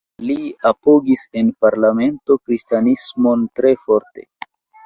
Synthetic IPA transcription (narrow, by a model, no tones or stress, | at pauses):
liapoɡisenpaɾlame̞nto̞kɾistanismo̞ntɾe̞fo̞ɾte̞̰